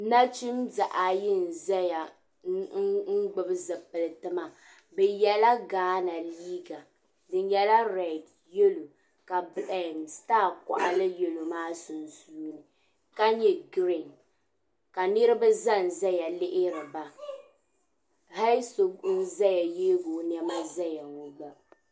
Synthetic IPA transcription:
na˦t͡ʃi˦mza˨ʔa˨jɪ˦n̩˨za˦ja˨ | ŋ̩˦ŋ̩˦ɡ͡bɨ˨bɨ˦zɨ˨pɨ˨lɨ˨tɨ˦ma˨ | bɛ˨jɛ˨la˦ɡaː˨˦na˨liː˦ɡa˨ | dɨ˨ɲ˦jɛ˨la˦ɾɛ˨d | je˦lu˨ | ka˨bɨ˨la˨nstaː˦˨ka̰˨ʔa˨lɨ˦je˨lo˨maː˦sʊ˨nzuː˦nɨ˨ | ka˦ɲɛ˦ɡɾɪ˨n | ka˨nɨ˦ɾɨ˦ba˦za˦˨n˨za˦ja˨lɪ˦ʔɪ˦ɾɨ˨ba˨ | ha˦so˨˦n̩˦za˦ja˨jeː˦ɡo˨n˨ɛ˦ma˦za˦ja˨ŋo˨ɡ͡ba˦

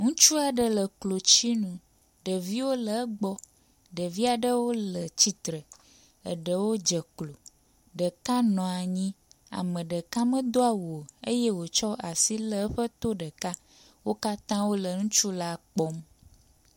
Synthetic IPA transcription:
ŋũ˦t͡ʃu˦a˨ɖə˦lə˨klo˨t͡ɕi˦nũ˨ | ɖə˨vi˦wo˦lə˨˦ɡ͡bɔ˦ | ɖə˨vi˦a˨ɖə˦wo˦lə˨t͡ɕi˦t̪ɾə˨ | ə̰˨ɖə˨wo˦d͡ʒə˨klo˨ | ɖə˨ka˦nɔ̃˨a˨ɲĩ˦ | a̰˨mə̃˨ɖə˨ka˦mə̃˦d̪o˦a˨wo˨e˦je˦wo˨t͡ʃɔ˦ʔa˨si˦lə˦ɸə˦t̪o˦ɖə˨ka˦ | wo˦ka˦t̪ã˦wo˦lə˨ŋũ˦t͡ʃu˦la˦k͡pɔ˦m

